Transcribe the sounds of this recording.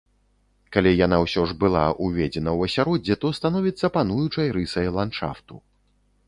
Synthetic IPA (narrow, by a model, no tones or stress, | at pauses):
kalʲijanawsʲɔʐbɨlˠa̰ʔuvʲɛd͡zʲɛnɐwɐsʲaɾɔd͡zʲɛt̪ɔst̪anɔvʲit̪sːɐpanujut͡ʂɐjɾɨsɐjlˠanʂa̰ft̪u